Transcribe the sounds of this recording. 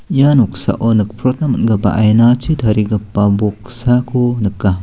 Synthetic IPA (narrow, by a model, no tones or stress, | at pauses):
januksa̰ʔonɯk̚pʰɾɔt̚nɐmtɡɐba̰ʔajnat͡ʃitʰɐɾiɡɐpːɐbok̚sakʰonɯkːa